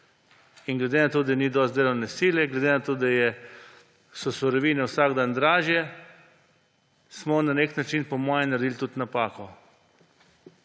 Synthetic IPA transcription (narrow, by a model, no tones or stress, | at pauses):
inɡlɛd̪eːnat̪oːd̪anid̪ɔst̪eːlɔwnɛsiːljɛɡlɛd̪enat̪oːd̪ajɛ | sɔsɔɾɔʋiːnɛwsaːɡd̪aːnd̪ɾaːʒjɛ | smɔnaneknat͡ʃinpɔmɔːjɛnaɾd̪ilt̪ut̪napaːkɔ